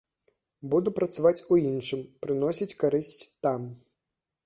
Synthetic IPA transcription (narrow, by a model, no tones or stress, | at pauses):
bud̪ʊpɾɐt̪sʊʋat͡sʲuinʃɨmpɾɪnɔsʲɐt͡sʲkɐɾɪsʲtʲt̪am